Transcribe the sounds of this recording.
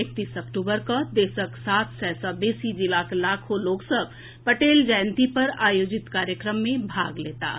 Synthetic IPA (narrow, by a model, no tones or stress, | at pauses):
ek̚t̪iːsɐkʈuːbəɾkad̪eːsəksaːt̪ʰsɛːsabeːsid͡ʒɪlaːkʰlaːkʰoloːksəb | pɐʈeːld͡ʒaːɪnt̪ipɐɾaːjoːd͡ʒɪt̪kaːɾjəkɾəmːẽbʱa̰ːɡleːt̪a̰ː